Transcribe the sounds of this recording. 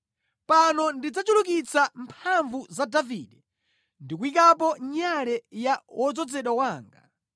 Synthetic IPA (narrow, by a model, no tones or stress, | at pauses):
panɔndid͡zat͡ʃuluk̬it͡sampʰaɱvuzadavḭɗɛ | ndikuikap̬ɔɲalɛjawʔɔd͡zɔd͡zɛɗɔwaːŋɡa̰